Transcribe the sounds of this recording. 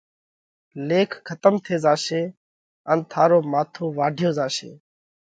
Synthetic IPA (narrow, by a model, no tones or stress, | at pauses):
leːkʰkʰət̪əmt̪ʰeːzaːʃeː | ənt̪ʰaːɾoːmaːt̪ʰoːʋaːɖʱjoːzaːʃḛː